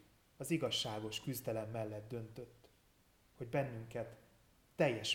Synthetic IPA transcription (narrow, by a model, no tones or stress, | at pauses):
ɒziɡɒʃːaːɡo̞ʃkyzd̪ɛlɛmːɛlːɛd̪̚d̪ø̞nt̪ø̞t̪ː | ho̞ɟbɛnːyŋkɛt̪ː | ɛjːɛʃ